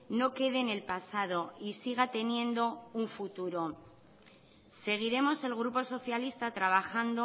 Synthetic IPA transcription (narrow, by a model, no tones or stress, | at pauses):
no̞ke̞ðe̞ne̞lpasaðo̞isiɣ̞at̪e̞nje̞nd̪o̞uɱfut̪uɾo̞ | se̞ɣ̞iɾe̞mo̞se̞lɣ̞ɾupo̞so̞θjalist̪at̪ɾaβ̞axand̪o